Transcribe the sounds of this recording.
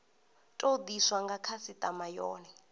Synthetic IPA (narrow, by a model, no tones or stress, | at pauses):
tʼod̪iswaŋɡakʰasitʼamajɔ̰ːnɛ